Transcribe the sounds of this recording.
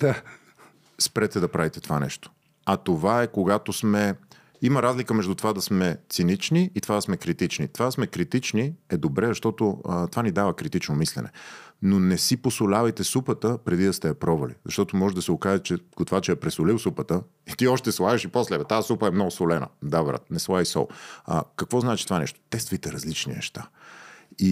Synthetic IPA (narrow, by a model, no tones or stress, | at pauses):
d̪̥a | spɾɛt̪ɛd̪ɐpɾavit̪ɛt̪ovanɛ̰ʃt̪o̥ | ɐt̪ovaɛkoɡat̪osmɛ | iməɾazlikəmɛʒd̪ut̪ovad̪ɐsmɛt̪sinit͡ʃniːt̪ovad̪ɐsmɛkɾit̪it͡ʃnit̪ovad̪ɐsmɛkɾit̪it͡ʃniɛd̪obɾɛzɐʃt̪ɔt̪oət̪ovanid̪avəkɾit̪it͡ʃnomislɛ̰nɛ̰nonɛsiposʊlʲavɐt̪ɛsupət̪əpɾɛd̪id̪ɐst̪ɛɐpɾɔvɐlḭzɐʃt̪ɔt̪ʊmɔʒɛd̪ɐsɛokaʒɛt͡ʃɛɡot̪ovat͡ʃɛɛpɾɛsolilˠsupət̪ə | it̪iɔʃt̪ɛslˠaʒiʃipɔslɛvɛt̪aːsupəɛmnɔɡʊsolɛnə̰d̪avɾa̰t̪̚nɛslˠavisɔ̰lˠə̰kɐkvɔznaɛt͡ʃi̥t̪ovanɛ̰ʃt̪o̥t̪ɛst̪vijt̪ɛɾɐzlit͡ʃnḭnɛ̰ʃt̪a | i